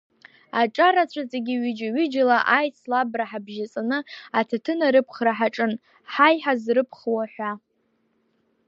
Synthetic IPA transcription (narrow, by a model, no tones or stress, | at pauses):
aʈ͡ʂʼaɾat͡ɕʷʰat͡sʼeɡʲiɥʏd͡ʒaɥʏd͡ʒalaʔajt͡sʰlabraħabʒat͡sʼanɨatʰatʰɨnaɾɨpʰχraħaʈ͡ʂʼɨn | ħajħazrɨpʰχwaħʷa